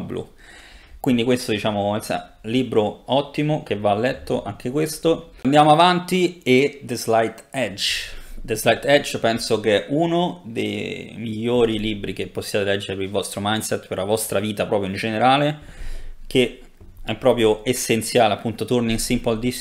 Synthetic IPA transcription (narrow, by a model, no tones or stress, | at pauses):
blṵ | kwind̪ikwest̪od̪it͡ʃaːmoɛsa̰liːbɾoɔt̪ːimokevalːɛt̪ːoʔaŋkʰekwest̪oand̪jaːmoavant̪ied̪ezlajt̪ɛd͡ʒd̪ezlajt̪ɛd͡ʒpɛnsokeʔunod̪ḛjmiʎːoːɾilibːɾik̟epːosːjaːt̪elɛd͡ʒːeɾepeilvɔst̪ɾomajnsɛt̪ːpeɾlavɔst̪ɾaviːt̪apɾɔːpɾjoind͡ʒeneɾaːle | ke | ɛpːɾɔːpɾjoesːent̪sjaːleapːunt̪ot̪orninsimpold̪i